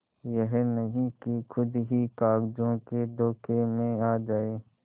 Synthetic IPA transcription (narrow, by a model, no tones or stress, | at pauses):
jəɦɛnəɦĩkikʰʊd̪ɦikaːɡd͡ʒõked̪ɔːkʰemẽaːd͡ʒaːeː